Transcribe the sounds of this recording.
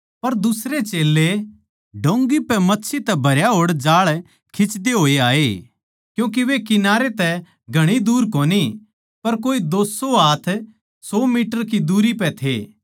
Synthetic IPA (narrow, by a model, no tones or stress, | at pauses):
pɐɾd̪ʊsɾet͡ʃeːlːe | ɖʱõːŋɡipɛmɐtːʃʰit̪ɛbʱɐɾjaɦoːɽd͡ʒaːɭ | kʰɪt͡ʃd̪eɦoːeaːeː | kjũːk̬iʋekɪnaːɾet̪ɛ | ɡʱɐɽ̃id̪uːɾkoːni | pɐɾk̬oːid̪oːsoaːt̪ʰ | sɔːmiːʈəɾk̬id̪uːɾipɛt̪ʰeː